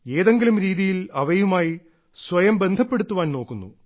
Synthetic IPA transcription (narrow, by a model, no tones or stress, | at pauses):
e̞ːðe̞ŋɡilumɾiːðijilɐʋɐjumaːji | sʋɐjɐmbe̞nd̪ʱɐpːe̞ɽut̪ːuʋaːnno̞ːkːunːṵ